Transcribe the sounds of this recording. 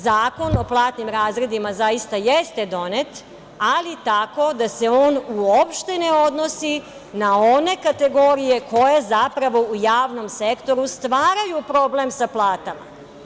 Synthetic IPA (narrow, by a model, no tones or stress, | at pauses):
zaːko̞no̞plˠaːt̪nimɾaːzɾe̞d̪imazaist̪ajest̪e̞d̪o̞net̪ | alit̪ako̞d̪ase̞o̞ːnuopʃt̪eneo̞d̪no̞si | nao̞ne̞kat̪e̞ɡo̞ɾije̞ko̞jezapɾaʋo̞ujaːʋno̞msekt̪o̞ɾust̪ʋaːɾajupɾo̞blemsaplˠaːt̪ama̰